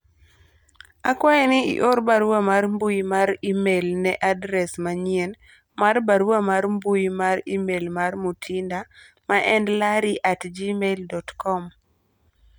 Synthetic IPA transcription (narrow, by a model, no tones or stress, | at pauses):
akwajɛnɪḭʔoɾbaɾwamarmbujmaɾimelnɛʔadɾɛsmaɲjen | marbaɾwamaɾmbujmaɾimelmarmutʰinda | maʔɛndlaɾiʔatd͡ʒimeldɔtkɔm